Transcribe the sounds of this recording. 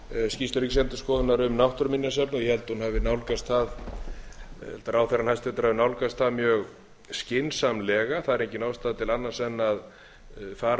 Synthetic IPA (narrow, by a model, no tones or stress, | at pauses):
scist̪ʏɾikcsɛmt̪ʏ̥skɔːðʏnaɾʏmnawht̪ʏɾminːjasɛpnɔjɛhɛlt̪hunhavɪnawlkast̪θað | hɛlt̪aɾaːwθɛranhajst̪vɛt̪ʏɾ̥havɪnawlkast̪θaðmjœːɣ | scɪnsamlɛːɣaθaðɛɾehcɪnawst̪aːðt̪ʰɪlanːḁsɛnːað | faːɾ